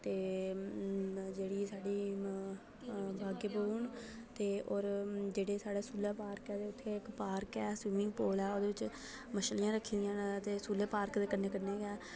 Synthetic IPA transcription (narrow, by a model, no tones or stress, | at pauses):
t̪eː | d͡ʒeːɽiːsaːɖiː | baːɡeboːɳ | t̪eːoːɾd͡ʒeːɽeːsaːɽeːsuːleːpaːɾkɛːd̪eːʊt̪ʰːeːɪkpaːɾkɛːsʋɪːmɪ̃ŋɡpoːlɛːoːd̪eːʋɪt͡ʃ | məʃlɪjãːɾəkʰːĩːd̪ijãːnt̪eːsuːleːpaːɾkd̪eːkənːeːkənːeːɡɛː